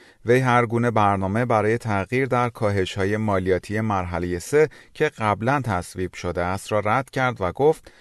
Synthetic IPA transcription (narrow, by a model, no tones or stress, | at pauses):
ve̞jɦæɾɡuːne̞bæɾnɒːme̞bæɾɒːje̞t̪ʰæɣiːɾd̪æɾkʰɒːɦe̞ʃhɒːje̞mɒːlijɒːt̪ʰije̞mæɾɦæle̞je̞se̞cʰe̞ɢæblænt̪ʰæsviːb̥ʃo̞d̪eæst̪ɾɒːɾæd̪̥cʰæɾd̪væɡo̞ft̪